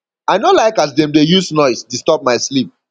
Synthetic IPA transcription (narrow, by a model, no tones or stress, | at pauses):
aɪnolaɪkazdɛ̃mdejusnɔɪstustɔp̚maɪslip̚